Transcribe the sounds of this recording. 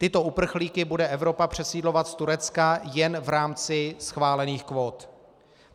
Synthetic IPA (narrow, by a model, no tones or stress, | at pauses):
t̪ɪt̪o̞ʔupr̩xliːkɪbudɛʔɛvɾo̞papr̝̥ɛsiːdlo̞vat̪st̪uɾɛt͡skajɛnvɾaːmt͡sɪsxvaːlɛniːxkvoːt̪